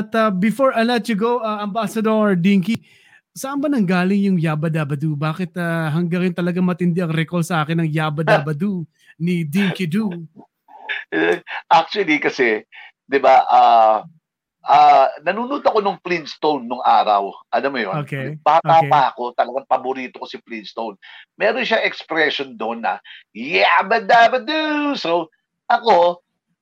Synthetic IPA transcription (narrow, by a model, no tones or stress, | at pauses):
ɐt̪ɐbɪfoɹɐlɐt̪juɡowʔɐʔɐmbaːsɐd̪oɹd̪iŋki | sɐʔɐmbɐnɐŋɡaːlɪŋjʊŋjaːbɐd̪abɐd̪ubaːkɪt̪ɐɦɐŋɡɐŋjʊnt̪ɐlɐɡaŋmɐt̪ɪnd̪ɛɐŋɾɛkolsɐʔaːkɪnːɐŋjaːbɐd̪aːbɐd̪u | nid̪iŋkid̪u | ʔak̚t͡ʃuɐlikɐsɛ | d̪ɪbaʔa | ʔaːnɐnuːnuːt̪ɐkonɐŋplinst̪ownːoŋʔaːɾɐ̰wʔɐlamojooːkɛpaːaaɐko̞t̪ɐlɐɡaŋpɐboɾiːt̪okosɪplinst̪ownmɛːɾonʃaŋɛkspɾɛʃond̪oʔnːɐ̰jabɐd̪abɐd̪usow | ʔɐko̞